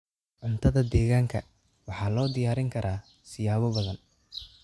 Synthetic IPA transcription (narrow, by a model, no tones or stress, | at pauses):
ʕʊnt̪ʰɐðɐd̪ɛːɣaːŋkʰɐ | wɑħɑːlɔːd̪ɪjaːɾɪŋkʰɐɾʔaː | sɪjaːβɔbɐðɐn